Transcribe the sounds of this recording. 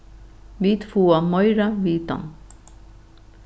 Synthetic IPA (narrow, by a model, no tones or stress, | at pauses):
ʋiːt̪ʰfuːɑmɔʏɾaʋiːt̪ɑ̰n